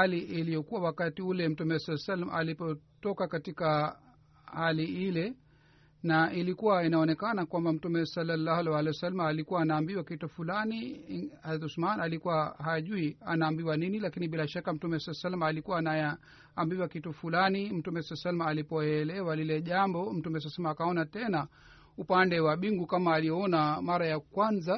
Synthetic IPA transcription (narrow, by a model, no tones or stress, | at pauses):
haliʔilijɔkuwawakatiulɛm̩tumɛsalsalma̰ʔalipɔtɔkakatika | haliilɛ | nailikuwainaɔnɛkanakwambam̩tumɛsalːalːahalɛwalɛasalmaːlikuwaːnaːmbiwakitufulaniazat̪usmanalikuwahaʄuia̰naːmbiwaninilakiniɓilaʃakam̩tumɛsalasalmaːlikuwaːna | ambiwakitufulanim̩tumɛsalsalmaːlipɔɛlɛwalilɛʄambɔm̩tumɛs̬alsalmaːkaɔnatɛna | upandɛwaɓiŋɡukamaːlijɔɔnamaɾajakwanza